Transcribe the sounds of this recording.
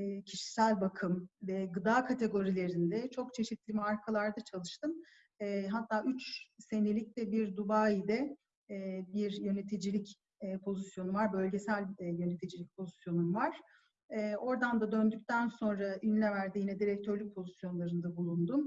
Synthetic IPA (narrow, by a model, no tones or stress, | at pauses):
cʰiʃi̥sælʲbakʰɯmvɛɡɯd̪aːkʰat̪ʰe̞ɡo̞ɾilʲe̞ɾind̪ɛt͡ʃʰo̞kt͡ʃʰe̞ʃit̪lʲimaɾkʰalˠaɾd̪at͡ʃʰalˠɯʃt̪ʰɯm | ɛːɦat̪ʰːaːʔyt͡ʃse̞nelʲic̚d̪ɛbiɾd̪ubaːid̪ɛː | biɾjø̞ne̞t̪ʰid͡ʒilʲicː | pʰo̞zisjo̞nuvaɾbø̞lʲɟe̞sælʲjø̞ne̞t̪ʰid͡ʒilʲic̚pʰo̞zisjo̞numvaɾ̥ | ɛːo̞ɾd̪and̪ad̪ø̞nd̪yc̚ʲt̪ʰænso̞nɾaʔynlʲɛvæɾd̪ijinɛd̪iɾɛc̚t̪ʰøɾlʲyc̚pʰo̞zisjo̞nlˠaɾɯnd̪abulˠund̪um